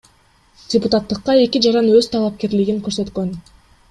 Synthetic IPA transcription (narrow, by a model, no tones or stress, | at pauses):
dʲɪput̪ɑt̪ːɯqːɑe̞kʲid͡ʒɑɾɑnøz̥t̪ʰɑlˠɑp̚ke̞ɾliɡiŋkø̞ɾsø̞t̪kø̞n